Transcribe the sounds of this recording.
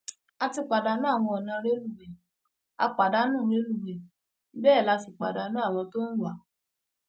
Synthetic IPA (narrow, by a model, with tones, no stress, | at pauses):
a˧ti˧k͡pa˨da˨˦nã˦a˦˨w̃ɔ̃˧ɔ˨nã˧˦ɾe˦lu˦˨ɡ͡bɛ˨ | a̰˧k͡pa˨da˨˦nũ˦˨ɾe˦lu˦˨ɡ͡bɛ˨˦ | bɛː˦˨la˨˧si˨k͡pa̰˨da˨˦nã˦a˦˨w̃ɔ̃˧to˦n̩˦wa˨˦